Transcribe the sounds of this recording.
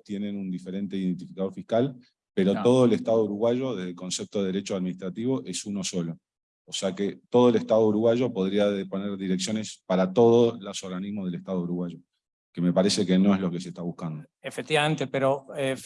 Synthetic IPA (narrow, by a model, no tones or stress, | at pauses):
t̪jenenund̪ifeɾe̞nt̪eiðe̞nt̪ifikaðo̞ɾfihkal | pe̞ɾot̪o̞ð̞oeleht̪aðouɾuɣwaʒo̞ðe̞ɦðelko̞nsep̚t̪oðeeɾet͡ʃoaðminiht̪ɾat̪iβo̞ʔe̞suno̞so̞lo̞ː | seaket̪o̞ðoeleht̪að̞ouɾuɣwaʒopo̞ðɾiaðepo̞neɾðiɾe̞ksjo̞ne̞spaɾat̪o̞ðolasoɾɣanizmoðeleht̪að̞ouɾuɣwaʒo̞ | keme̞paɾese̞keno̞e̞ɦlo̞kese̞ht̪aβuhkand̪o | efek̚t̪iβamẽnt̪epeɾoe